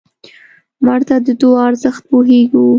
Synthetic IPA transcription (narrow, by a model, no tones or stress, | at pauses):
məɾt̪ad̪əd̪oɑɾzəxt̪̚poɦeɡu